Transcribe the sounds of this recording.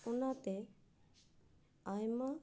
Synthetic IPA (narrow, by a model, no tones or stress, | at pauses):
ʊnat̪e | ajma